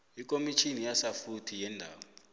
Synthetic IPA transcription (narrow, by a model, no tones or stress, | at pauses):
ikʼomit͡ʃʰinijasafutʰijɛːndʱaːwɔ